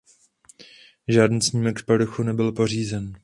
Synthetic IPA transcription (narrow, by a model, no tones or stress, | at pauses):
ʒaːdniːsɲiːmɛkfpaɾoxunɛbɪlpo̞r̝iːzɛn